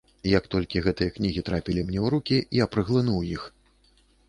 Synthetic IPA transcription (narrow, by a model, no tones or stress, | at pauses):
jɐk̚t̪ɔlʲkʲiɣɛt̪ɨjɐknʲiɣʲit̪ɾapʲilʲimnʲɛwɾukʲiiɐpɾɨɣlˠɨnuwjix